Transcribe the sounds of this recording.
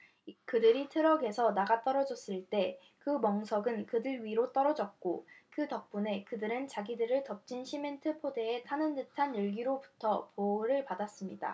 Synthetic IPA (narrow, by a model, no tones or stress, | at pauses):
kɯdɯɾitʰɯɾʌɡe̞sʰʌnaɡat͈ʌɾʌd͡ʑʌs͈ɯɭt͈e̞ | kɯmʌŋsʰʌɡɯnkɯdɯɾɥiɾot͈ʌɾʌd͡ʑʌt̚k͈okɯtʌk̚p͈une̞kɯdɯɾɯnt͡ɕaɡidɯɾɯɭtʌp̚t͡ɕ͈ʰinɕʰime̞ntʰɯpʰode̞etʰanɯndɯtʰanɯɭɡiɾopu̥tʰʌpoɾɯɭpadas͈ɯmɲida̰